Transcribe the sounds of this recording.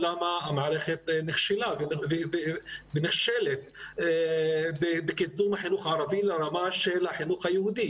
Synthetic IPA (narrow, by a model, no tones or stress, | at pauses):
lamaʔamaʕalexet̪nɪxʃilab | bɪnɪxʃeːlet̪̚ː | bɪbɪkɪt̪̚ːuːmaħɪnuːxʕɑɾˤɑviːlaɾˤɑmaːʃelaħɪnuːxajhuːd̪i